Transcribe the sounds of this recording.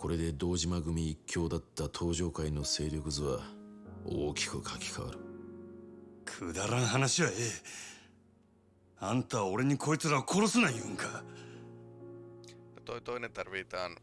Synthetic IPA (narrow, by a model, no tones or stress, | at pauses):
ko̞ɾe̞d̪e̞d̪o̞ːʑimaɡɯ̟mʲiːkʲːo̞ːd̪at̪ːat̪ʰo̞ːʑo̞ːkaino̞se̞ːɾʲjo̞kɯ̟zɨβa | o̰ːkʲi̥kɯ̟kʰakʲi̥kʰaβa̰ɾɯ̟ | kʰɯd̪aɾãɰ̃ɦanaɕiβaeː | ãnt̪ao̞ɾe̞ɲ̟ikʰo̞et͡sɨɾakʰo̞ɾo̞sɨnaiɯ̃ŋkʰa | at̪ot̪onet̪aɾβet̪an